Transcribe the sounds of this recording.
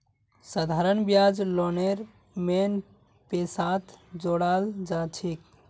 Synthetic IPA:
səd̪ʱaɾənbjad͡ʒloneɾ | men | pesat̪ʰd͡ʒoɽald͡ʒat͡ʃʰik

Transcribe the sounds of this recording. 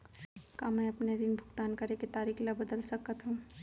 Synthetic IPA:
kamɛ̃ɐpneɾinbʱʊɡt̪aːnkɐɾeket̪aːɾiːkʰlɐbɐd̪əlsɐkat̪ɦũː

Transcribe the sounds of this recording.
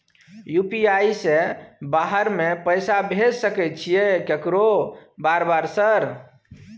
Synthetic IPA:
jupiajsẽbaɦəɾmepəjsabʱed͡ʒsəkɛt̪̚t͡ʃʰijekekɾobaɾbaɾsəɾ

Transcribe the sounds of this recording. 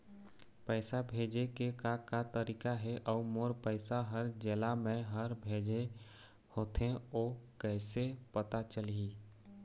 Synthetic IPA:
pəɪsabʱeːd͡ʒekekakat̪əɾiːkaɦɛʔɔːmoːɾpəɪsaɦəɾd͡ʒeːlamẽɦəɾbʱeːd͡ʒe | hoːt̪ʰeoːkɛːsepət̪at͡ʃəliː

